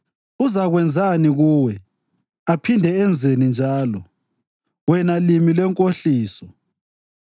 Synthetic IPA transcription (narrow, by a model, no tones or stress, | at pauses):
uzaɣwɛnd͡zʱaniɣuːwɛ | apʰindʱɛɛnd͡zʱenind͡ʒʱaːlɔ | wɛnalimilɛŋkʼoɬiːsɔ